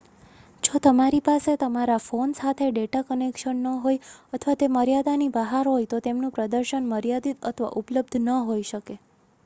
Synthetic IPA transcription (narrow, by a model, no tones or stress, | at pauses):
d͡ʒot̪əmaɾipaset̪əmaɾafonsat̪ʰeɖeʈakənekʃənːəɦojət̪ʰəʋat̪eməɾjad̪anibəɦaɾɦojt̪ot̪emnũpɾəd̪əɾʃənməɾjad̪it̪ə̰t̪ʰʋa̰ʔupləb̚d̪ʱnəɦojʃəke